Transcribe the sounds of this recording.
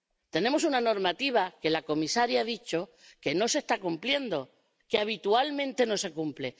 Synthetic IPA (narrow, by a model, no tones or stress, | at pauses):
t̪e̞nẽ̞mo̞sunano̞ɾmat̪iβ̞ake̞lako̞misaɾjaaðit͡ʃo̞ | ke̞no̞se̞st̪akumplje̞nd̪o̞ | keaβ̞it̪ualmẽ̞nt̪e̞no̞se̞kumple̞